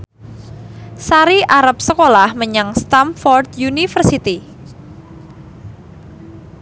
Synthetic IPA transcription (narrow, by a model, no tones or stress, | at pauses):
saɾiʔaɾap̚səkolahməɲaŋst̪amfɔrt̪junifərsit̪i